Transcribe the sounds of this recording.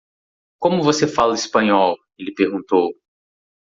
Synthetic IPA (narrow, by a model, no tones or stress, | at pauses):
kõmʊvosefalɐispɐ̃ɲɔw | elɪpeɾɡũt̪ow